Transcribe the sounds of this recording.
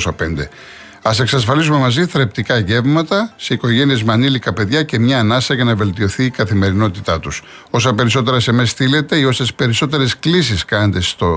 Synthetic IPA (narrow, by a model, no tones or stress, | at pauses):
sɐpe̞nd̪e̞̰ | ɐse̞ksɐs̬fɐlizume̞mɐziθɾept̪ikɐʝe̞vmɐt̪ɐseiko̞ʝe̞nie̞zmeɐnilikɐpe̞ðʝɐce̞mɲɐːnɐsɐʝɐnɐve̞lt̪io̞θiːkɐθime̞ɾino̞t̪it̪ɐt̪us | o̞sɐpe̞ɾis̬o̞t̪̬e̞ɾɐse̞mest̪ile̞t̪e̞io̞se̞spe̞ɾiso̞t̪e̞ɾe̞sklis̬iskɐnɐnd̪e̞st̪o